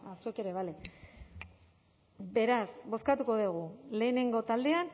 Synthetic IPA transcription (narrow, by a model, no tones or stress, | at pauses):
asue̞ke̞ɾe̞βale̞ | be̞ɾasbo̞skat̪uko̞ðuɣ̞ule̞ːne̞ŋɡo̞t̪ald̪e̞an